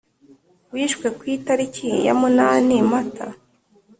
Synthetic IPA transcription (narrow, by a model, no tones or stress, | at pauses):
wiːʃkwe̞kwiːtaɾicʰija̰munanimata̰